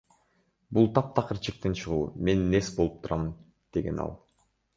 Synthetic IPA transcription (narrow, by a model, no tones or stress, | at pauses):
bulˠt̪ʰɑp̚t̪ʰɑqʰɯɾt͡ʃʰik̚t̪int͡ʃʰɯʁuːme̞nːe̞sbo̞lˠup̚t̪ʰuɾɑmɯn | d̪̥e̞ɡe̞̰nɑ̰lˠ